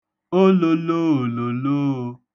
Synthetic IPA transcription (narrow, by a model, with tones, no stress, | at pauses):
o˦lo˧lo˦o˨lo˨lo˦o˨˧